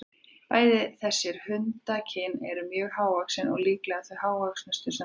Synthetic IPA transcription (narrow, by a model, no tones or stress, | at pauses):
paːjðɪθɛsːɪɾ̥hʏnt̪acʰɪnɛ̰ɾʏmjœːɣhaːwvaksɪnɔ̰ɣliːklɛɣaθvejɦaːwvaksnɛst̪ʏ̥sɛ